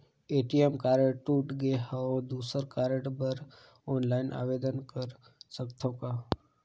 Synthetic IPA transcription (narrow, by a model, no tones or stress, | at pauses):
eʈiemkaɾeʈʈuʈɡeɦaod̪usəɾkaɾeʈbəɾ | ɔnlainʔa̰ʋed̪ənkəɾ | səkt̪ʰoka